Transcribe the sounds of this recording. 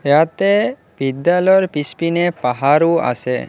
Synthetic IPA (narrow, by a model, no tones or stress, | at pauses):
eɦat̪e | bid̪ːalɔɔɾpispinepaɦaɾua̰sḛ